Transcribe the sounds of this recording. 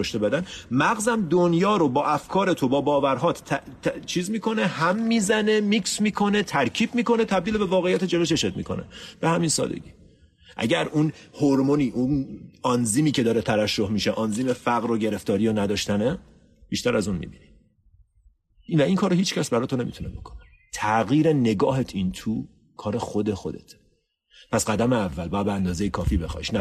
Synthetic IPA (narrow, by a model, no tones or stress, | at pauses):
oʃt̪ebæd̪ænmæɣzæmd̪onjɒːɾobɒːʔæfkʰɒːɾet̪ʰobɒːbɒːvæɾɦɒːt̪ʰt͡ʃʰiːzmiːkʰo̞ne̞hæmːiːzæne̞miːksmiːkʰo̞ne̞t̪ʰæɾcʰiːbmiːko̞net̪ʰæbd̪iːlebe̞vɒːɣejːæt̪ʰed͡ʒeveʃeʃet̪̚mḭkʰo̞̰nḛb̥e̞hæminsɒ̰ːd̪ḛɟiː | ʔæ̰ɟæɾunhoɾmoniːʔunɒnziːmiːcʰeɒːɾet̪ʰævæʃːohmiʃeʔɒnziːmefæɣɾoɟe̞ɾe̞ft̪ɒːɾijonæd̪ɒːʃt̪æne | b̥iːʃt̪æɾæzunmḭbini | væiŋkʰɒːɾohiːt͡ʃcæsbæɾɒːt̪ʰone̞mḭt̪unebo̞kʰone | t̪ʰæɣiːɾene̞ɡɒːɦet̪ʰint̪ʰuː | kʰɒːɾexo̞d̪e̞xo̞d̪e̞̰t̪ʰ | pʰæsɢæd̪æmeævːælbɒːjæd̪beænd̪ɒːzejekʰɒːfiːbe̞xɒ̰ʃnæ